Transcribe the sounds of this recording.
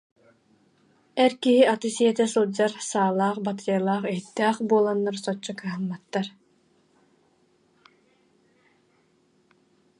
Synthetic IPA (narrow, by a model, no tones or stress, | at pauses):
ɛɾkiɦiat̪ɯsiɛt̪ɛsɯlˠd͡ʑaɾsaːlˠaːχbat̪ɯalˠaːχiɦit̪ːɛːχbuɔlˠanːaɾsɔt͡ɕːɔkɯɦɯmːat̪ːaɾ